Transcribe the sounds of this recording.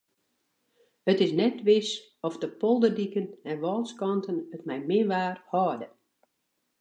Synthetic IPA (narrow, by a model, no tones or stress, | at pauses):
ətɪsnɛtʋɪs | ɔfdəpɔlˠdədikənɛnʋɔːlˠskɔntənətmɛjmɪnʋaːrhɔːdə